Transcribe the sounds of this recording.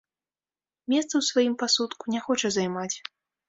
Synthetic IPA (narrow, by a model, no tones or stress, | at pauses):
mʲɛst̪sɐwsvajimpasut̪kunʲɛxɔt͡ʂɐzajmat͡sʲ